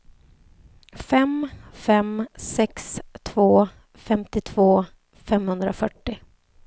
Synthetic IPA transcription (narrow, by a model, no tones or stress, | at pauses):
fɛmfɛmsɛkst̪ʰvoː | fɛmt̪ɪt̪ʰvoː | fɛmhɵnd̪ɾafœʈːɪ